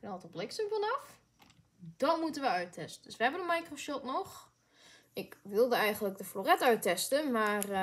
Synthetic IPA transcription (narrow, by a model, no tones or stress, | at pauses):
kənɔtɔblɪksəfɔnɔf | d̥ɔnmutənʋəœɥtʰɛstəndəsʋəɦɛbənəmajkrosɔpnɔx | ɪkʋɪlˠdəɛjɣəndlək̚dəflorɛtœɥtɛstəmaːr